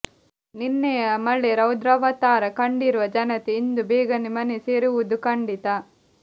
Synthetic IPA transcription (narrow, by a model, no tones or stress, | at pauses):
ninːejɐmɐɭːeɾɐwd̪ɾɐʋɐt̪aːɾɐkɐɳɖiɾuʋɐd͡ʒɐnɐt̪eind̪ubeːɡɐnimɐneseːɾiʋud̪ukɐɳɖit̪ɐ